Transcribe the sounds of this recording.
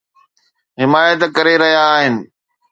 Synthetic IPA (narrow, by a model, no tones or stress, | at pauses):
ɦɪmaːjət̪kɐɾeɾɐɦijaːɦɪnɪ̆